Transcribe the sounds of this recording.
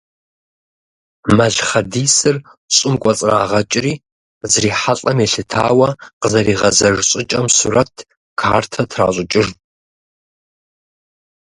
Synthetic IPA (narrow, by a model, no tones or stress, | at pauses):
mɐɮχɐdiːsɨr | ɕʼɪmkʷʼɔt͡sʼra̰ːʁɐt͡ʃʼɪriː | zriːħaɬʼɐmeɬɨtʰa̰ːwɐqəzɐɾiːʁɐzɐʐɕʼɪt͡ʃʼɐmsṵːrɐtʰ | kʰaːrtʰɐtʰra̰ːɕʷʼʊt͡ʃʼɪʐ